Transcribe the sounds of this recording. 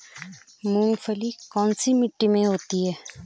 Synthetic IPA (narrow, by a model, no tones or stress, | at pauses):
mũːŋɡfʰəlikɔːnsimɪʈːimẽɦoːt̪iɦɛː